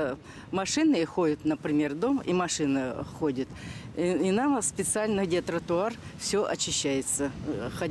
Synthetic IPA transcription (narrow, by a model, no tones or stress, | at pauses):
mɐʂɨnɨxo̞dʲɪt̪nəpɾʲɪmʲe̞rd̪o̞mḭmɐʂɨnəxodʲɪt̪ | inamspʲɪt̪sɨalʲnɨdʲɪt̪ɾət̪ʊarfsʲɵʔɐt͡ɕːɪɕːæjɪt̪səxɐ